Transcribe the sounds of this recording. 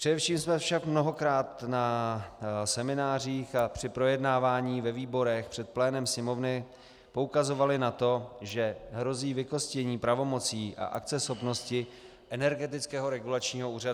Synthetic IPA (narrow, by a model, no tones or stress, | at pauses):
pr̥ɛdɛfʃiːmsmɛfʃakmno̞ɦo̞kɾaːt̪na | sɛmɪnaːr̝iːxapr̝̥ɪpɾo̞jɛdnaːvaːɲiːvɛviːbo̞ɾɛxpr̝̥ɛt̪̚plɛːnɛmsɲɛmo̞vnɪ | poukazo̞valɪnat̪o̞ʒɛɦɾo̞ziːvɪko̞scɛɲiːpɾavo̞mo̞t͡siːʔa̰ʔakt͡sɛsxopno̞scɪ | ʔɛnɛɾɡɛt̪̬ɪt͡skɛːɦo̞ɾɛɡulat͡ʃɲiːɦo̞uːrad